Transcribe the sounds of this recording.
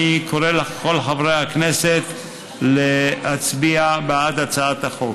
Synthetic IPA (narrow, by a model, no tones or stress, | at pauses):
ikoɾelako̞lħavɾejhakneset̪ | lehat͡sbiabaat̪at͡saat̪aχo